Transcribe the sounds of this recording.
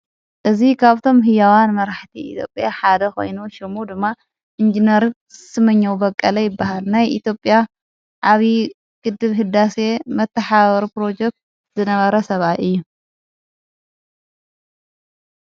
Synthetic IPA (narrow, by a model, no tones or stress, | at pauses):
ʔɨzikʰaβt̪ʰo̞mɦɨjawanmɐɾaħt̪ʰiḭt̪ʰjo̞̰pʼjaħad̪ɐxo̞̰jnuʃɪmud̪ɨmːa | ʔɨnd͡ʒinɐɾ | sɨmɐɲːɐwubɐkʼːɐlɐjɪbːahalnajʔḭt̪jo̞pʼːja | ʔaβi | ɡ̥ɨd̪ːɨβɦɨd̪ːase̞mɐt̪ːɐħaβɐɾipɾo̞d͡ʒɛk̚t̪̚ | zɨnɐβɐɾɐsɐβat̪ɨjːu